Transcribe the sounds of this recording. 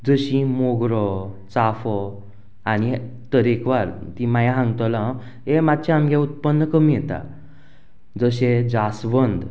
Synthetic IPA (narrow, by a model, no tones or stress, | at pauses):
d͡zəɕĩmoɡɾɔ | t͡safɔ | ani | t̪əɾekʋaɾt̪ĩmajãɦãŋɡt̪ɔlã | emat̪̚t͡ɕaamɡʱaut̪̚pənːəkəmijɛt̪a̰ | d͡zəɕed͡zasbənd̪